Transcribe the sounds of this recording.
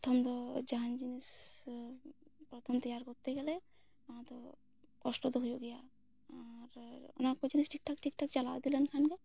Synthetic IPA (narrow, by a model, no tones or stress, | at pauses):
pɾɔt̪ʰɔmt̪ɔd͡ʒaɦand͡ʒinis | pɾɔt̪ʰɔmt̪ijaɾkɔɾt̪eɡɛle | t̪ɔ | kɔsʈɔd̪uɦd͡ʒoɡija | aɾɔ̰nakɔd͡ʒinisʈʰik̚ʈʰakʈʰikʈʰakt͡ʃalawd̪ilɛnkʰanke